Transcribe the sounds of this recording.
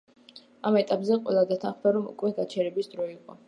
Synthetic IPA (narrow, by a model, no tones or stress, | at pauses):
amɛt̪ʼapʼzɛqʼwɛ̰lˠad̪at̪ʰanχd̪aɾɔmṵkʼwɛɡat͡ʃʰɛɾɛbisd̪ɾɔiqʼɔ